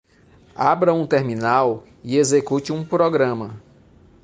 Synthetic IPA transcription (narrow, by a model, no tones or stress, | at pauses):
abɾɐũt̪eɾminaw | iezekut͡ʃɪũpɾoɡɾɐ̃mɐ